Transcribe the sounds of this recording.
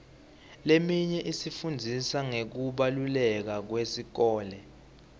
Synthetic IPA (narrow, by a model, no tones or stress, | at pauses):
lemiɲɛʔisifund͡zʱisaŋek̬uɓalulɛk̬ak̬wesik̬ɔːlɛ